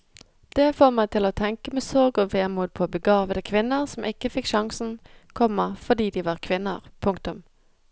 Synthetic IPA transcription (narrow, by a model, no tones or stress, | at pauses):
d̪̥ɛːfoːmæɪt̪ʰɪloːt̪ʰɛŋkəmɛsɔʁɡoːʋeːmuːd̪̚pʰoːbəɡɑːʋəd̪əkʰʋɪnːəʁsɔmʔɪkːəfɪkʃɑŋsn̩kʰɔməfɔd̪iːd̪iːʋɑʁkʰʋɪnːə̰ʁpʰʊŋkt̪ʊm